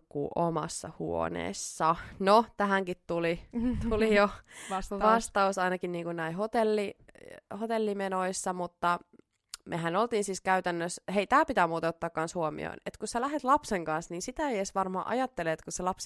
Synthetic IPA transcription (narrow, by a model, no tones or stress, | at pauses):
kːṵːʔomɑ̰sːɑ̰huo̰nḛːsːɑnot̪æɦæŋkit̪t̪ulit̪ulijosʋɑst̪ɑusɑinɑkinniːŋkunnæiɦot̪elːihot̪elːimenoisːɑmut̪ːɑ | meɦænolt̪iːnsiːskæyt̪ænːøsheit̪æːpit̪æːmuːt̪ɑot̪ːɑːˑkkːɑnshuomḭo̰inḛt̪kussælæɦet̪lɑpseŋkɑnsniːnsit̪æejesʋɑrmɑ̰ʔɑ̰jɑt̪ːeleːt̪kuselɑps